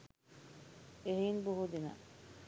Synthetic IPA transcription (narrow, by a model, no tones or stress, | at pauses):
eɦiːnbuɦud̪ina̰